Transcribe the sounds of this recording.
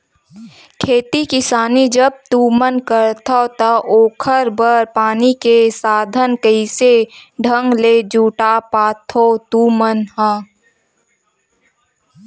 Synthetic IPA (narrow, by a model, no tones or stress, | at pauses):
kʰeːt̪ikɪsaːnid͡ʒəb̚t̪umənkəɾt̪ʰat̪ɐʔoːkʰəɾbəɾpaːnikesaːd̪ʱənkəɪseɖʱə̃ŋɡleːd͡ʒuːʈapaːt̪ʰot̪umənhãː